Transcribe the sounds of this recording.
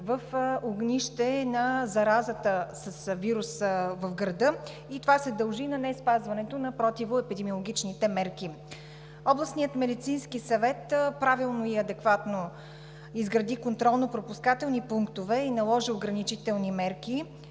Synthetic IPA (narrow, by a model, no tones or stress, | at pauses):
vəfoɡnʲiʃt̪ɛnɐzɐɾazət̪əsəsviɾusvəfɡɾɐd̪ɤ | it̪ovasɛd̪ɐlˠʒinɐnɛspazvɐnɛt̪onɐpɾɔt̪ivoɛpid̪ɛmiolˠoɡʲit͡ʃnit̪ɛmɛɾki | ɔblˠɐsnijət̪mɛd̪it̪sinskisɐvɛt̪pɾavilˠnoiɐd̪ɛkvat̪no | izɡɾɐd̪ikont̪ɾɔlˠnopɾopuskat̪ɛlˠnipuŋkt̪ovɛinɐlˠɔʒioɡɾɐnit͡ʃit̪ɛlˠnimɛɾki